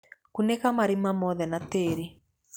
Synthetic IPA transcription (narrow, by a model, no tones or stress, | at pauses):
kunekamaɾimamɔðɛnateːɾe